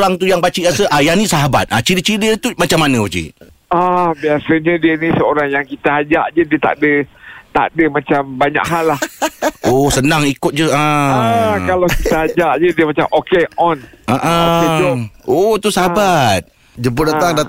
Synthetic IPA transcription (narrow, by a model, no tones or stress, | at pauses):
ɾaŋt̪ujaŋbat͡ʃiʔɡasəʔajanisaɦaba̰t̪̚ʔat͡ʃidit͡ʃidət̪umat͡ʃamːanə̃bat͡ʃḭ | abiasəɲədiənisəoɾaŋjaŋkit̪əad͡ʒaʔd͡ʒədiət̪a̰ʔdət̪a̰ʔdəmãt͡ʃambaɲa̰kɦalːahʔosənãŋikʊt̪̚d͡ʒəa | kalakit̪əad͡ʒaʔd͡ʒədiəmat͡ʃa̰mokeɔnʔaʔa | ʔot̪usaɦabat̪̚ | d͡ʒəmpʊdat̪aŋda